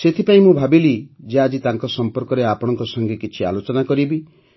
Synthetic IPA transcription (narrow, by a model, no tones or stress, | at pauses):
set̪ʰipaĩmũbʱabilid͡ʒead͡ʒit̪aŋkɔsɔmpɔɾkɔɾeapɔɽ̃ɔŋkɔsɔŋɡekit͡ʃʰia̰lot͡ʃɔnakɔɾibi